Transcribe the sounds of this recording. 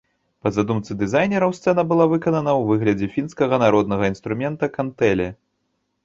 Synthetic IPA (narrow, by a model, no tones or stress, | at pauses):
pɐzad̪umt̪sɨd̪ɨzajnʲɛɾɐwst̪sɛnɐbɨlˠavɨkɐnɐnɐwvɨɣlʲɐd͡zʲɛfʲinskɐɣɐnaɾɔd̪̚nɐɣɐinst̪ɾumʲɛnt̪ɐkant̪ɛlʲɛ